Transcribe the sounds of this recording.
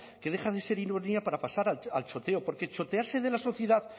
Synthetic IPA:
keðe̞xaðe̞se̞ɾinoɾniapaɾapasaɾaalt͡ʃo̞t̪e̞o̞po̞ɾke̞t͡ʃo̞t̪eaɾse̞ðe̞laso̞θje̞ðað

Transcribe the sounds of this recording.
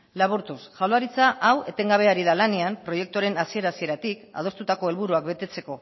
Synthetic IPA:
laβ̞uɾt̪usʝawlaɾit͡saʔawe̞t̪e̞ŋɡaβ̞e̞aɾið̞alaneampɾo̞je̞k̚t̪oɾe̞nasie̞ɾasie̞ɾat̪ika̰ð̞o̞st̪ut̪ako̞e̞lβuɾuak̚be̞t̪e̞t͡se̞ko̞

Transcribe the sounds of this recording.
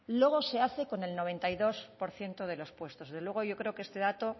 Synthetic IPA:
lwe̞ɣ̞o̞se̞aθe̞ko̞ne̞lno̞β̞e̞nt̪ajðo̞spo̞ɾθje̞nt̪oð̞e̞lo̞spwe̞st̪o̞zðelwe̞ɣ̞ojo̞kɾe̞o̞kest̪e̞ðat̪o̞

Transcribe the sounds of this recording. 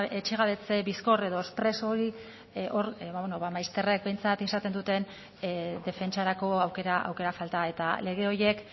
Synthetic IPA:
et͡ʃeɣ̞aβe̞t͡se̞bisko̞re̞ð̞o̞espɾe̞so̞ɾi | ʔo̞ɾβaβenoβamajst̪e̞rek̚be̞jnt͡sat̪isat̪end̪ut̪e̞n | d̪e̞fe̞nt͡ʃaɾako̞awke̞ɾaʔa̰wke̞ɾafalt̪ae̞t̪a̰le̞ɣ̞e̞o̞ɾje̞k

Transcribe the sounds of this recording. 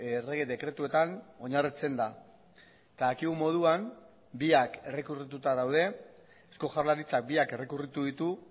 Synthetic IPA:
ere̞ɣ̞e̞ðe̞kɾe̞t̪ue̞t̪ano̞ɲarit͡se̞nd̪a | et̪aðakiɣumo̞ð̞uam | biake̞re̞kurit̪ut̪aðawðe̞ | esko̞xʝaɾlaɾit͡sak̚biake̞rekurit̪uðit̪u

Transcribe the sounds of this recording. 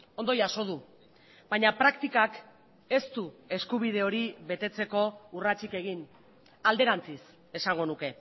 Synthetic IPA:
o̞nd̪ojaso̞ð̞u | baɲapɾakt̪ikak | e̞st̪ue̞skuβ̞iðe̞o̞ɾiβe̞t̪e̞t͡se̞ko̞urat͡ʃike̞ɣ̞in | ald̪e̞ɾant͡sis | e̞saŋɡo̞nuke̞

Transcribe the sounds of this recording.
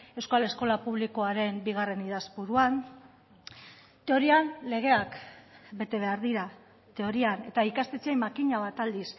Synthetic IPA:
e̞wskale̞sko̞lapuβ̞liko̞aɾe̞mbiɣ̞are̞niðazbuɾuan | t̪e̞o̞ɾianle̞ɣ̞e̞akbe̞t̪e̞β̞e̞aɾðiɾa | t̪e̞o̞ɾiane̞t̪aikast̪et͡siejmakiɲaβ̞at̪ald̪is

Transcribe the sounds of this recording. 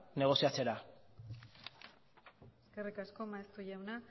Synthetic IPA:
ne̞ɣ̞o̞siat͡se̞ɾa | eske̞rikasko̞maest̪uʝawna

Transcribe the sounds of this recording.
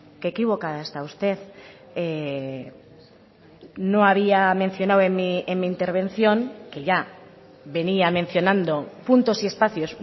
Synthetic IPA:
kekiβ̞o̞kaðaest̪aust̪e̞ð | e | no̞aβ̞iame̞n̟θjo̞nawemmiemmiːnt̪e̞ɾβ̞ẽ̞nθjo̞ŋke̞ʝa | βe̞niamẽ̞nθjo̞nãnd̪o̞punt̪o̞sie̞spaθjo̞s

